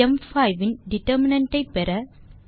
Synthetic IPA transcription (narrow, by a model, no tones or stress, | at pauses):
ɛmfɐɪʋɪnɖɪʈːɐɾmɪnɐɳʈːɐɪpːɛɾɐ